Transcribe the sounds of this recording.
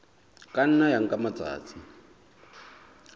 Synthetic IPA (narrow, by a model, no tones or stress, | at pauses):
kan̩najaŋ̩kʼamat͡sa̰ːt͡sʰʼi